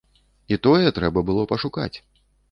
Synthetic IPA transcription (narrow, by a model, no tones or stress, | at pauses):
it̪ɔjɛt̪ɾɛbɐbɨlˠɔpɐʂuka̰t͡sʲ